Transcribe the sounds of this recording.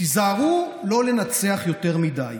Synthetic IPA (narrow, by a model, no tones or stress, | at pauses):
izaːʁulo̞le̞nat͡se̞aχjo̞te̞ʁmidaj